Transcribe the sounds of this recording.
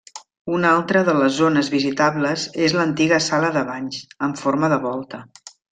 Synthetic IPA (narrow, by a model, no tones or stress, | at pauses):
unalˠt̪ɾəðələzːonəzβizit̪aβləzezlənt̪iɣəsaləðəβaɲzəɱfoɾməðəβɔlˠt̪ə